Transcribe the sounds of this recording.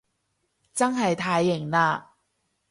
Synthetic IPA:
t͡sa˥ŋha˨˩jt̪ʰa˨˥jɪ˨˩ŋna˧˩

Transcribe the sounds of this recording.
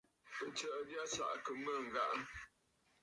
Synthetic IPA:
ə˨t͡ʃə˨ʔdja˦sa̰˨ʔkə˨mə˦˨ŋ̩˨ɡa˦ʔ

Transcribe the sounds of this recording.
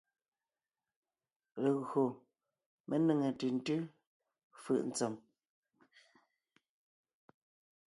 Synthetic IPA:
le˨ɣɰo˨ | mʔe˦nə˨ŋe˨tʉ˨n̩˦tʉ˦ | fɯ̰˦˨ʔn̩˨t͡sɔ˨m

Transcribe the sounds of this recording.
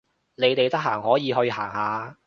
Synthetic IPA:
ne˨˧jt̪e˨jt̪ɐ˥k̚ɦaː˨˩ŋhɔː˨˥jiː˨˧ɦɵ˧ɥɦa̰ː˨˩ŋhaː˨˧

